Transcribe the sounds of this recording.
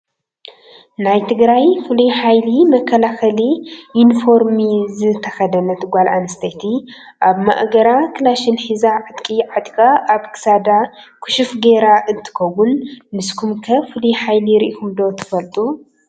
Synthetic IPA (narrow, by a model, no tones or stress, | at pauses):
najt̪ʰɨɡɾajfɨluħajlimɐkʰːɐlaxɐliʔinfo̞ɾmizɨt̪ʰɐxɐd̪ɐnɐt̪ʰɨɡʷalʔanɐst̪ʰɐjt̪ʰi | ʔaβma̰ʔʼɡɐɾakʰɨlaʃɪnħizaʕɨt̪ʼkʼiʕat̪ʼkʼaaβkʰɨ̥sad̪a | kʰu̥ʃufɡeɾaʔɨnt̪ʰɨ̥kʰɐwunːɨskʰumkʰɐfɨluħajliɾiʔikʰumd̪o̞t̪ʰɨ̥fɐlt̪ʼu